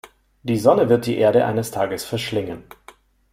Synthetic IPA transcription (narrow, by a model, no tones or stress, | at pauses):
d̥iːzɔnəvɪɐt̚d̥iːʔeːɐɾəʔa̰ɪnəstʰaːɡəsfɛɐʃlɪŋən